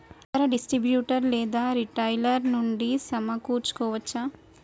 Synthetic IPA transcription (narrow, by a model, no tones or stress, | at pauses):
it̪ɐɾɐɖisʈɾibjuːʈɐɾlɛːd̪aːɾiʈɐjlɐɾnuɳɖisɐmɐkuːɾt͡ʃːu̥kɔːʋɐt͡ʃːa